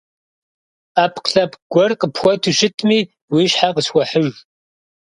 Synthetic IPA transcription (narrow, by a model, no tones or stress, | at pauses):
aːpʰqɬɐpɡ̥ʷɔrqʼəpxʷɔtʰuʃɪtʰmiː | wiːɕħaqəswʷɔħəʒ